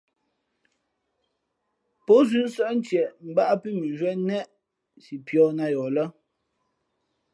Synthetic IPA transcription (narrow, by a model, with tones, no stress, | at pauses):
pɔ˨˦zʉ˦n̩˦sɛ˦˨ʔn̩˦tɛ˨m̩˨ba˦ʔa˦pi˦mi˨ʒwɛ˦nɛ˦˨ʔ | si˨pjɔː˦na˦jɔ˨lə˦